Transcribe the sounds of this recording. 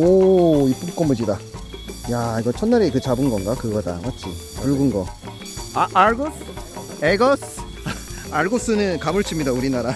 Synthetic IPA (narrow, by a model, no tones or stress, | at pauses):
oip͈ɯmk͈ʌmud͡ʑida | jaiɡʌt͡ɕʰʌnːaɾekɯt͡ɕabɯnɡʌnɡakɯɡʌda̰ŋat͡ɕʰiʌɭɡɯnɡʌ | aʔaɭɡos | eɡʌs | aɭɡos͈ɯnɯnkamɯɭt͡ɕʰimɲidauɾinaɾa